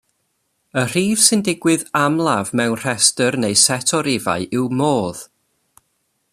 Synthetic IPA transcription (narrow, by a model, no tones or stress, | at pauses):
ər̥iːv̥sɨndɪɡwɪðamlˠavmɛwnr̥ɛstərnejsɛtʰɔɾɪva̰ɨʔɪwmoːð̥